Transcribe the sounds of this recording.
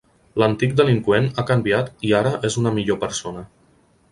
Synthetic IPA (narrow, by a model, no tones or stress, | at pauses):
lənt̪ik̚d̪əliŋkwenakəmbiat̪iaɾəʔezunəmiʎopəɾsonə